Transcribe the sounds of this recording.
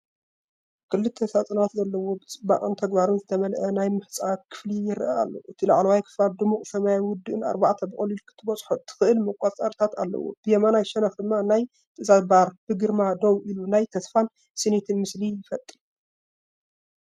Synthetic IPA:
kʰɨlːɨt̪ʰːɐsat͡sʼɐnat̪zɐlːɐwo̞bɨt͡sʼɨba̰χʼɨnt̪ʰɐɡbaɾunzɨt̪ʰɐmɐlʔɐnajmɨħt͡sʼakʰɨ̥flijɪɾʔɐa̰lːɐ̰wʔɨt̪ʰilɐʕlɐwajkʰɨ̥flad̪ɨmuχʼsɐmajajwʊd̪ːɨʔɨna̰ɾbaʕt̪ʰɐbɨχʼɐlilkʰɨ̥t̪ʰːɨbɐt͡sʼħot̪ʰːɨ̥xɨʔɨlmɨkʼat͡sʼaɾt̪ʰat̪a̰lːɐ̰wo̰b̥ɨjɛmanajʃɛnɐfɨmːanaj | t̪ʰʼɐzabaɾb̥ɨɡɨɾmad̪owʔilunajt̪ʰɐsfan | sɨnit̪ʰimɨslijɪfɐt̪ʼiu

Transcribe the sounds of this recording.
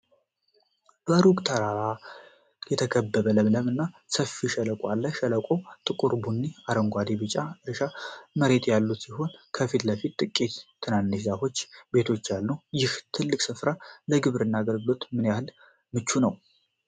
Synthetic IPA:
bəɾukt̪ʰəɾaa | jɛt̪ʰəkʰəbːəβələβləmɨnːa | səfiʃɛləkʷʼwalːəʃɛləkʷʼowt̪ʼɨkʼuɾbunːiaɾəŋɡʷad̪ibɨt͡ʃʼːaɨɾɨʃaməɾe̞t̪ʼjalːusiɦo̞nkʰəfit̪ləfit̪t̪ʼːɨkʼːit̪t̪ʰːɨnanːɨʃzafo̞t͡ʃːbe̞t̪ʰo̞t͡ʃːjalːujɪht̪ʰɨlːɨkʼsɨfɾaləɡɨβɾɨnːaːɡəlɡɨlo̞t̪mɨnjahɨl | mɨt͡ʃːunəw

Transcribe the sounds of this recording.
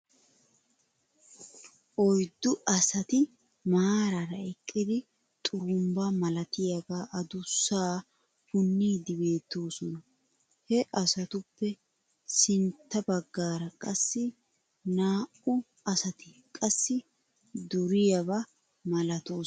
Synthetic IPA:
ʔɔjd̪ːʊʔɐsɐt̪ɪ | maːɾɐɾɐɛkʼːɪd̪ɪ | t̪ʼʊɾʊmbɐmɐlɐt̪ɪjɐɡaːʔɐd̪ʊsːaː | hʊnːiːd̪ɪbe̞ːt̪ːoːsɔnɐ | hɛʔɐsɐt̪ʊpːɛ | sɪnt̪ːɐbɐɡːaːɾɐkʼɐsːɪ | naːʔʊ | ɐsɐt̪ɪkʼɐsːɪ | d̪ʊɾɪjɐbɐ | mɐlɐt̪oː

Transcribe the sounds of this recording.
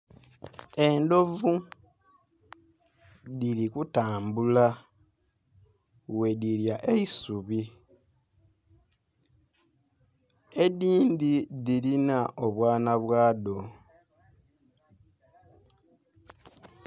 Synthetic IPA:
e̞ndo̞vu | ðilikutaːmbula | we̞diljaʔeisuβi | e̞diːndiðilinaʔoβwaːnaβwaːdo̞

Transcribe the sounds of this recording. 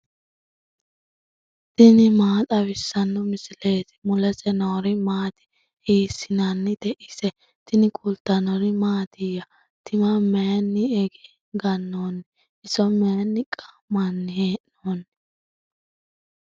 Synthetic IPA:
t̪ɪnɪmaːt̪ʼɐβɪsːɐnːɔmɪsɪle̞ːt̪ɪ̥mʊlɛsɛnoːɾɪmaːt̪ɪ̥ | hiːsɪnanːɪd̪ɛʔɪsɛ | t̪ɪnɪkʼult̪ɐnɔɾɪmaːt̪ɪjɐ | t̪ɪmɐmenːɪɛɡɛ̥ | ɡɐnːoːnːɪ | ʔɪsɔmenːɪkʼḁ | mɐnːɪheːʔnoːn

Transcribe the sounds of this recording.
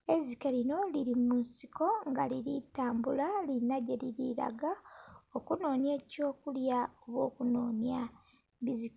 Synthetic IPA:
e̞zike̞ɾino̞liɾimunsi̥ko̞ŋɡa̰liɾitaːmbulalinaɟe̞liɾiɾa̰ɡaokuno̞ːnje̞ːco̞ːkuljaoβwo̞ːkuno̞ːnja | βizik

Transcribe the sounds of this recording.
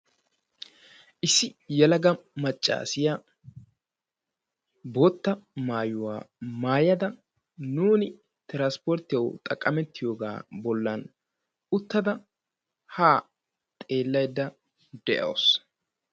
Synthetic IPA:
ʔɪsːɪjɛlɐɡɐmɐt͡ʃʼːa̰ːsɪja | bo̞ːt̪ːɐmaːjʊwa̰ːmaːjɐd̪ɐ | nuːnɪ | t̪ɪɾɐnspɔɾt̪ːɪjɐwt̪ʼɐkʼːɐmɛt̪ːɪjo̞ːɡa̰ːbɔlːɐn | ʊt̪ːɐd̪ɐ | haː | t̪ʼe̞ːlːɐjd̪ːɐ | d̪ɛʔɐ̰ws

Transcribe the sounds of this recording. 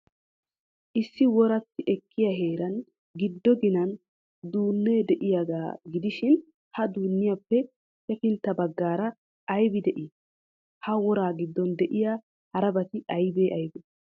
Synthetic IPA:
ʔɪsːɪwɔɾɐt̪ːɪʔɛkʰːɪjɐɦe̞ːɾɐn | ɡɪd̪ːɔɡɪnɐn | d̪uːnːeːd̪ɛʔɪjaɡaːɡɪd̪ɪʃɪn | hɐd̪uːnːɪjapːɛ | sɛfɪnt̪ːɐbɐɡːaːɾɐː | jbɪd̪ɛʔɪ | hɐwɔɾaːɡɪd̪ːɔnd̪ɛʔɪjaː | hɐɾɐbɐt̪ɪɐjbeːʔɐjbɛ

